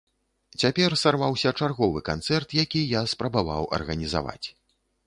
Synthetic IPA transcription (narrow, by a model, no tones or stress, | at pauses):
t͡sʲapʲɛrsarvawsʲɐt͡ʂarɣɔvɨkant̪sɛrt̪jakʲijaspɾɐbava̰wʔɐ̰rɣɐnʲiza̰va̰t͡sʲ